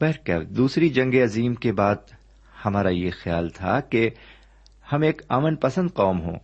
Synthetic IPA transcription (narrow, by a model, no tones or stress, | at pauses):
bɛɾkɛ̰ʋd̪uːsɾid͡ʒɐ̃ŋɡeɐziːmkebaːd̪̚ | hɐmaːɾajexjaːlt̪ʰa̰ke | hɐmeːkaːmənpɐsə̃nd̪qɔːmɦõ̰ː